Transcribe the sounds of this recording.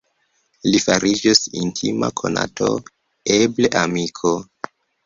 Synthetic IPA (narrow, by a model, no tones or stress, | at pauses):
lifaɾʔid͡ʒisintʰima̰kʰo̞na̰to̞̰ | ebleʔamikʰo